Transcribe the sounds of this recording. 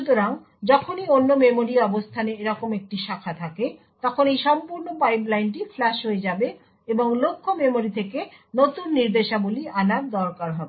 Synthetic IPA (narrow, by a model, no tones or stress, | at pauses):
ut̪oɾaŋ | d͡ʑɔkʰonionːomemoɾiɔbost̪ʰaneeɾɔkomek̚ʈiʃakʰat̪ʰake | t̪ɔkʰonejʃɔmpuɾnopajp̬lajnʈiflaʃɦoed͡ʑabe | eboŋlokʰːomemoɾit̪ʰekenot̪unːiɾd̪eʃabolianaɾd̪ɔɾkaɾɦɔbe